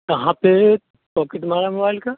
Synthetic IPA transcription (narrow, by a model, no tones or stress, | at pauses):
t̪ɐɦãpe | pɔːkeʈmaːɾamobaːɪlka